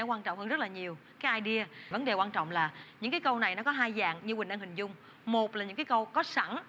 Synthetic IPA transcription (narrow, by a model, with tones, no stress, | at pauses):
ɔ˨˦kwaː˧nt͡ɕɔ̰˧˨wŋ͡mhə˧zt̚laː˨˩ɲi˨˩əw | kaː˨˦jʔaː˧jɗi˧əvə˨˦nɗe˨˩kwaː˧nt͡ɕɔ̰˧˨wŋ͡mlaː˨˩ɲɨ̰˧˥ŋkaː˨˦jkə˧wna˨˩jnɔ˨˦kɔ˨˦ɦaː˧jza̰ː˧˨ŋɲɨ˧ɓï˨˩ŋ̟ʔa˧nhï˨˩ŋ̟zʊ˧ŋ͡m | mo˨˩t̚laː˨˩ɲɨ̰˧˥ŋkːaː˨˦kə˧wkɔ˨˦sa˧˩ŋ